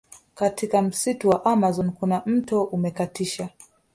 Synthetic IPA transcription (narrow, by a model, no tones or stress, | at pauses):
katikam̩situwaʔamazɔnkunam̩tɔʔumɛkatiʃa